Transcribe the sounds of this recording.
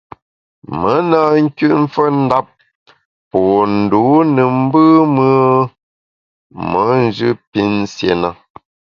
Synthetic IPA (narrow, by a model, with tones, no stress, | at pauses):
mə˨˦na˨ŋ̩˦kʉ˦ʔɱ̩˦fə˦n̩˦da˦p̚ | pɔ˨n̩˨duː˨˦nə˨m̩˦bɨ˦mə˦ | mə˨˦n˦d͡ʒɨ˦pi˦nsje˨na˦˨